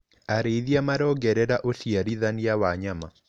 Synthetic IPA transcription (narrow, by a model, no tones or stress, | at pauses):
aɾeiðjamaɾɔɡɛɾɛɾaʔoʃiaɾiðaniawaɲama